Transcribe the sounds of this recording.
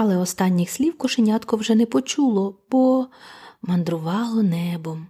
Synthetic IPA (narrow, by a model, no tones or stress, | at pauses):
ɑlˠɛɔst̪ɑnʲːixsʲlʲiwkɔʃenʲɑt̪kɔwʒɛnɛpɔt͡ʃulˠɔb̥ɔ | mɐnd̪ɾʊʋɑlˠɔnɛbɔm